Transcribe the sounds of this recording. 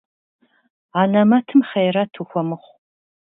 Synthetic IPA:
aːnɐmɐtʰɨmχejrɐtʰuxʷɔmɨχʷ

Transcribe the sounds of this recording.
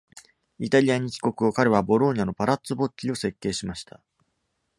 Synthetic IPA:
it̪aɾʲijaɲ̟ikʲi̥ko̞kɯ̟o̞kaɾe̞β̞abo̞ɾo̞ɲ̟ano̞paɾat͡sɨbo̞t͡ɕːio̞se̞kːe̞ːɕimaɕi̥t̪ʰa

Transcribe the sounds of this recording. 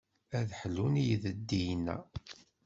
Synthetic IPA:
æðħlːunijəðəd̪ːijnæ̰

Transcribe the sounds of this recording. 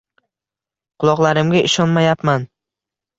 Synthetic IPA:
qʰʊlˠɒʁlˠaɾɪmɡʲaʔɪʃɒnmajapman

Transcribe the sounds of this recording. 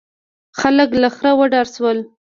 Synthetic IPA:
xaləklaxɾawəɖɑɾswəl

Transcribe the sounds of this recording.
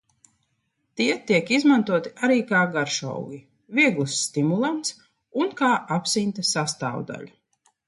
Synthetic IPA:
t̪iɛt̪iɛkizmant̪uɔt̪i̥aɾiːkaːɡaɾʃa̰wɡʲi | viɛɡlˠsːt̪imulˠant̪s | unkaːʔapsint̪asast̪a̰ːw̰d̪a̰ʎʲu

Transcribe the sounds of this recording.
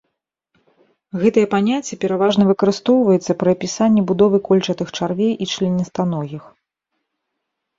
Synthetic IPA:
ɣɛt̪ɐjɛpanʲat͡sʲːɛpʲɛɾavaʐnɐvɨkɐɾɨst̪ɔwvɐjɛt̪sːɐpɾɐpʲisanʲːɛbud̪ɔvɨkɔlʲt͡ʂɐt̪ɨxt͡ʂarvʲejʔit͡ʂlʲɛnʲːɛst̪anɔɣʲix

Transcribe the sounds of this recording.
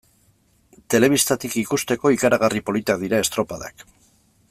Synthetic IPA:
t̪e̞le̞βist̪at̪ikikust̪e̞ko̞ikaɾaɣ̞aripo̞lit̪akðiɾae̞st̪ɾo̞paða̰k

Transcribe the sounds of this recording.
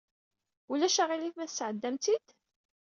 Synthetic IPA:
ulæʃaʁiliθmæθsʕəd̪ːæmt̪id̪

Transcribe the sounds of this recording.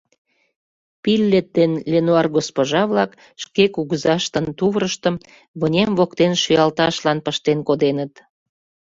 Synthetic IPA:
pilʲːet̪̚ːenlʲenuɑrɡospoʒɑβlɑk | ʃkekuɣəzɑʃt̪ə̆nt̪uβɾəʃt̪ə̆m | βənʲemvokt̪enʃyjɑlt̪ɑʃlɑnpəʃt̪enkod̪enət̪

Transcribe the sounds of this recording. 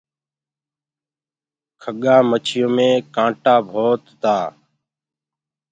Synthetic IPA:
kʰəɠaːmət͡ʃʰɪjõːmẽːkãːʈaːbʱoːt̪ːaː

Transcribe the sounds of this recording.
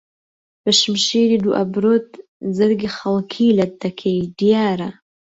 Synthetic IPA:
b̥əʃmʃiːɾiːd̪uʔɐbɾoːt̪̚zɨɾɡixɐlˠkʰiːlɐdd̪ɐkʰejd̪ijaːɾɐ

